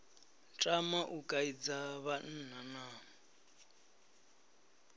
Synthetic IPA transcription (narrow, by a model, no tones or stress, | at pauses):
t͡ʃʼamaʔukʼaid͡zaβan̩ːn̤anaː